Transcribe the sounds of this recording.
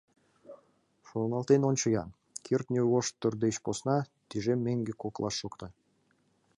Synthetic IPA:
ʃonnɑlˠt̪enont͡ɕəjɑ̰n | kʰʲirt̪nʲuwoʃt̪ːʏrd̪eɕposnɑt̪ʲiʒemʲːeŋɡʲekoklˠɑ̰ʃːokt̪ɤ

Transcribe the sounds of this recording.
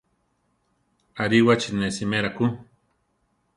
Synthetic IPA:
aɾiwat͡ʃinesimeɾaku

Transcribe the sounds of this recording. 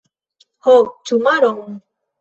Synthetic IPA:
hɔt͡ʃumaɾɔŋ

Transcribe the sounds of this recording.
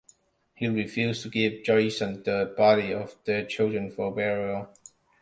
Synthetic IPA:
hiɹifjustʰuɡɪvd͡ʒɔsə̃ndəbɑɾiɔvðət͡ʃʰɪldɹə̃nfɔbɛɹə

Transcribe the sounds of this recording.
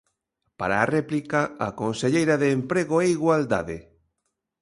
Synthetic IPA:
paɾaːrɛplikaakonseʎejɾaðeːmpɾeɣoeiɣwald̪a̰ðɪ

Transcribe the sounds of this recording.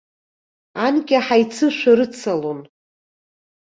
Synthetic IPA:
anɡʲaħajt͡sʰɨʃʷᶣaɾɨt͡sʰalon

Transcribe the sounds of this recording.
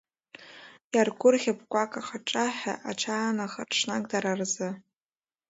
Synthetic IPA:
jarɡʷʊrχʲapʰkʷʼakʼaχaʈ͡ʂʼaħa̰ʔaʈ͡ʂʰaːnaχarʈ͡ʂʰnakʼdaɾarzɨ

